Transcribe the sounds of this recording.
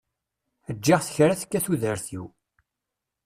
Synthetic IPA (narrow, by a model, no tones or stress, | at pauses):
əd͡ʒːiʁθə̥çɾaθə̥kːæθuðəɾθiw